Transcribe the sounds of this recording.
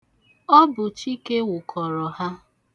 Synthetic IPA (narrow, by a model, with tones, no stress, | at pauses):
ɔ˦bʊ˨t͡ʃi˦ke˦wʊ˨kʰɔ˨ɾɔ˨ha˦